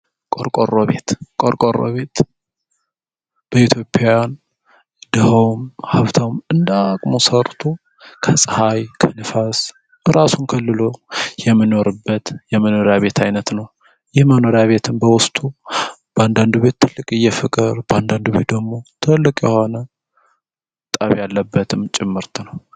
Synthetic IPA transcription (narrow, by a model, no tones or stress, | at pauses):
kʼoɾkʼorːoβe̞t̪kʼoɾkʼoɾo̰βe̞t̪ | b̥əit̪ʰjo̞pʼːajan | d̪̥əhəwmhaβt̪ʰawmɨnd̪akʼmosəɾt̪ʰo | kʰəsʼɨhajkʰənɨfas | ɨɾasunkʰəlːɨlo̞jɛmːɨno̞ɾɨbːət̪jɛməno̞ɾjaβe̞t̪ʰajnət̪nəw | jɪhməno̞ɾjaβe̞t̪ʰɨmbəwʊst̪ʼub̥əand̪and̪uβe̞t̪ʰːɨlːɨkʼɨjːɛfɨkʼɨɾbəand̪and̪uβe̞̰t̪̚d̪əɡmo̞t̪ʰɨlːɨkʼjɛho̞nə | t̪ʼaβjalːəbːət̪ʰɨmt͡ʃʼɪmːɨɾt̪ʰnəw